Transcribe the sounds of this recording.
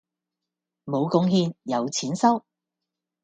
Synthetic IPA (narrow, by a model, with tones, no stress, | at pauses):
mo˨˧wkʊ˨˥ŋhiː˧njɐ˨˧wt͡sʰiː˨˥nsɐ˥w